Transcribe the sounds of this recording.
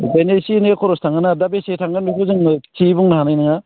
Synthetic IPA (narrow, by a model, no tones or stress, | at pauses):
benesineekʰɔɾɔstʰaŋɡɯnadabesetʰaŋɡɯnmikʰuzɯŋt͡ʃibuŋnaɦanajnɯŋa